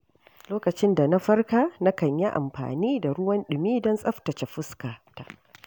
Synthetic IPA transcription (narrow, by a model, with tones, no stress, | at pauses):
loː˦kɐ˨t͡ʃɪ˦nda˨na˦ɸɐ˦rkaː˦na˦kɐ˨ɲji˦ʔa̰˨mɸa̰ː˨niː˦da˨ɽʊ˦wɐ˦nɗʊ˨miː˦dɔ˦nsʼɐ˦ɸtɐ˨t͡ʃe˨ɸʊ˦skaː˨ta̰˨ʔ